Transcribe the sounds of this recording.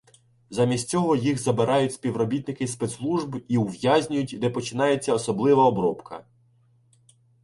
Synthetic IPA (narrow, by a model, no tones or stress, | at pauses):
zɑmʲisʲtʲt͡sʲɔɦɔjiɣzɐbeɾʔɑjʊtʲspʲiwɾɔbʲit̪nɪkɪspɛt̪slˠuʒbiwʋjazʲnʲʊjʊtʲd̪ɛpɔt͡ʃɪnɑjet͡sʲːɐɔsɔblˠɪʋɐɔbɾɔpkɐ̰